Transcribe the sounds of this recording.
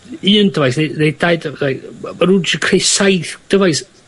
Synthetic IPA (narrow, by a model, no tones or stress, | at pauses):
ɨːndəvajsnenejdaɨddajmaɾud͡ʒkʰrejsajθd̥əvajs